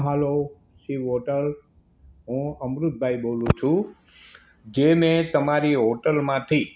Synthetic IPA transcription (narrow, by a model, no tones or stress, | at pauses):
ɦəlo | ʃiʋoʈəl | ɦũəmɾʊt̪̚bʱaibolũt͡ʃʰũ | d͡ʒemẽt̪əmaɾiɦoʈəlmãt̪ʰi